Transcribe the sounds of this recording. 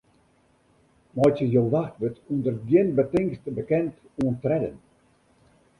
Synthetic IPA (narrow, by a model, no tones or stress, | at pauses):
mɔjtjəjolˠʋaxtʋətundərɡjɪnbətɪŋstbəkɛnt | uəntrɛdə̰n